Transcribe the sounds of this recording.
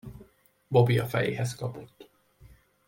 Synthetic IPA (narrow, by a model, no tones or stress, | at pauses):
bobiɒfɛjḛːɦɛskɒpot̪ː